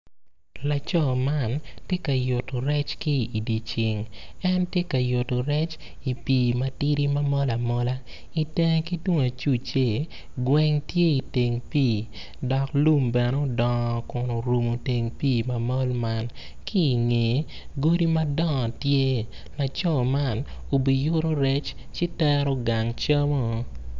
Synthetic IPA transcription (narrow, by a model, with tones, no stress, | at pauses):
la˨t͡ʃɔ˦˨ma˦ntje˦ka˨jʊ˨to˨ɾɛ˦t͡ʃki˦i˨di˨t͡ʃɪ˨ŋɛ˦ntje˦ka˨jʊ˨to˨ɾɛ˦t͡ʃ | i˨piː˨mɐti˦ɾi˦ma˦mɔ˦la˨mɔ˦la˦ | i˨te˦ŋ˦ki˦dwu˦ŋ˨a˨t͡ʃu˦t͡ʃe˦˨ | ɡwɛ˦ŋtje˦i˨te˨ŋpiː˦˨ | dɔ˨klu˦mbɛ˨nɛ˦o˨dɔ˨ŋ˨kʊ˨no˨ɾu˨mo˨te˨ŋpiː˦˨ma˨mɔ˦lma˦n | kʰiː˦˨ŋe˨ | ɡo˦di˦ma˦dɔ˦ŋɔ˨tje˦ | la˨t͡ʃɔ˦˨ma˦˨no˨bi˨jʊ˦ɾo˦ɾɛ˦t͡ʃ | t͡ʃɪ˦tɛ˦ɾo˦ɡa˨ŋt͡ʃa˦mo˦